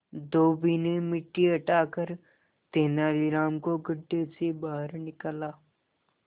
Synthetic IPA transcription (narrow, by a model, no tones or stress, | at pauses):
d̪oːbiːnemɪʈːiɐʈaːkəɾ | t̪eːnaːɾiɾaːmkoɡəɖːesebaːɦəɾnɪkəlaː